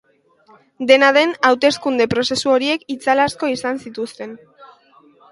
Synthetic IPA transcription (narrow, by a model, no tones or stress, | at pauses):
d̪e̞naðe̞nawt̪e̞skund̪e̞pɾo̞se̞suo̞ɾie̞kit͡salasko̞isansit̪ust̪e̞n